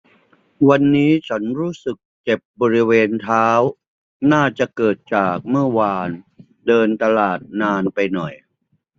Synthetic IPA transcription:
wa˧nːiː˦˥t͡ɕʰa˦˥nɾuː˦˥sɯ˨˩k̚t͡ɕe˨˩p̚bɔː˧ɾi˦˥weː˧nt̪ʰaː˦˥w | naː˥˩t͡ɕa˨˩kɤː˨˩t̪̚t͡ɕaː˨˩k̚mɯ˥˩ɐwaː˧n | dɤː˧nt̪a˧laː˨˩t̪̚naː˧npa˧jnɔ˨˩j

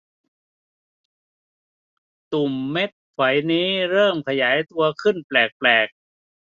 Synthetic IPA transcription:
t̪u˨˩mːe˦˥t̪̚kʰwa˩˦jniː˦˥ɾɤː˥˩mkʰa˧jaː˩˦jt̪u˧ɐkʰɯ˥˩nplɛː˨˩k̚plɛː˨˩k̚

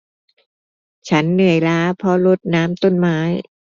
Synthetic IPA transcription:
t͡ɕʰa˦˥nːɯ˨˩əjlaː˦˥pʰɔ˦˥lo˦˥t̪̚naː˦˥mt̪o˥˩nmaː˦˥j

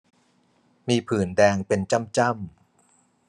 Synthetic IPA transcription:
miː˧pʰɯː˩˦ndɛː˧ŋpe˧nt͡ɕa˥˩mt͡ɕa˥˩m

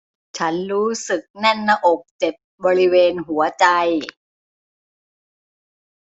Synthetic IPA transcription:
t͡ɕʰa˦˥nɾuː˦˥sɯ˨˩k̚nɛ˥˩nːa˧ʔo˨˩k̚t͡ɕe˨˩t̚bɔː˧ɾi˦˥weː˧nɦu˩˦ɐt͡ɕa˧j

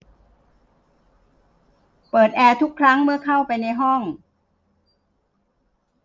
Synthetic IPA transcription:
pɤː˨˩t̪̚ʔɛː˧t̪ʰu˦˥kʰːɾa˦˥ŋmɯ˥˩ɐkʰa˥˩wpa˧jna˧jɦɔ˥˩ŋ

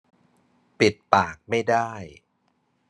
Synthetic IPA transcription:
pi˨˩t̪̚paː˨˩k̚ma˥˩jdaː˥˩j

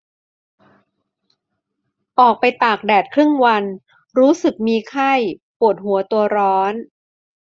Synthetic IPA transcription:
ʔɔː˨˩k̚pa˧jt̪aː˨˩k̚dɛː˨˩t̪̚kʰɾɯ˥˩ŋwa˧n | ɾuː˦˥sɯ˨˩k̚miː˧kʰa˥˩jpu˨˩ət̪̚ɦhu˩˦ɐt̪u˧ɐɾɔː˦˥n

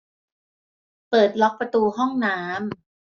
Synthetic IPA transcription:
pɤː˨˩t̪̚lɔ˦˥k̚pɾa˧t̪uː˧ɦɔ˥˩ŋnaː˦˥m

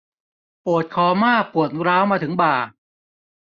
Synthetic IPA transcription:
pu˨˩ət̪̚kʰɔː˨˩˦maː˥˩pu˨˩ət̪̚ɾaː˦˥wmaː˧t̪ʰɯ˩˦ŋbaː˨˩

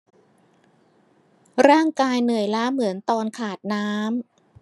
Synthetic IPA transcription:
ɾaː˥˩ŋkaː˧jnɯ˨˩əjlaː˦˥mɯ˩˦ənt̪ɔː˧nkʰaː˨˩t̪̚naː˦˥m

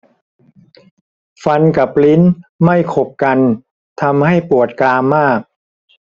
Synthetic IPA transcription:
fa˧nka˨˩p̚li˦˥nma˥˩jkʰo˨˩p̚ka˧n | t̪ʰa˧mha˥˩jpu˨˩ət̪̚klaː˧mːaː˥˩k̚

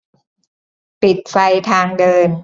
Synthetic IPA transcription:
pi˨˩t̪̚fa˧jt̪ʰaː˧ŋdɤː˧n

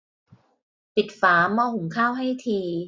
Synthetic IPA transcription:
pi˨˩t̪̚faː˩˦mɔː˧hu˩˦ŋkʰaː˥˩wɦa˥˩jt̪ʰiː˧

